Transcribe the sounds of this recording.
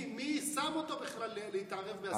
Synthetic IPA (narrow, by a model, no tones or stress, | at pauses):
misamo̞t̪o̞biχlaleleit̪aʁevbea